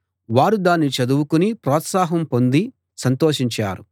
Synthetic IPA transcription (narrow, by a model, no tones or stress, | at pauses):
ʋaːɾud̪aːnːit͡ʃɐd̪uwukunipɾɔːt̪saːɦɐmpo̞nd̪i | sɐnt̪oːʃiɲt͡ʃa̰ːɾu